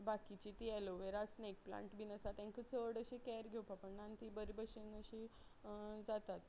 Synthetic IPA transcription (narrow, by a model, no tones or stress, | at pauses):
bakit͡ɕit̪iːɛloʋeɾasnek̚plã̰ɳʈbinəsat̪ãŋkət͡səɽəɕikɛɾɡʱewpapəɳnant̪ibəɾibəɕenəɕi | d͡zat̪at̪̚